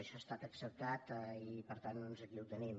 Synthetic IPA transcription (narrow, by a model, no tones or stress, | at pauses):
əʃɔst̪at̪əksəp̚t̪at̪ipəɾt̪anːnonzəkiuwt̪ənim